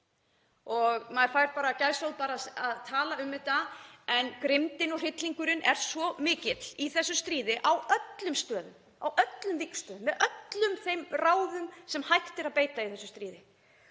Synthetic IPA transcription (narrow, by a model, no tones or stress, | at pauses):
ɔɣmaðɾfajɾt̪̚paːɾacaɾsowðpaːɾaaðt̪ʰaːlaʏmːɪt̪aɛnkɾɪmt̪ɪnɔɣr̥ɪt̪liŋkʏɾɪnʔɛɾ̥svɔmɪːcɪt̪l̥iθɛsːʏst̪ɾiːðɪʔawœt̪lʏmst̪œːðʏ̰m | a̰wʔœt̪lʏmvikn̥st̪œːðʏmːɛðœt̪lʏmθejmraːwðʏmsɛmhajht̪ɪɾaðpeːjt̪aiθɛsːʏst̪ɾiːðɪ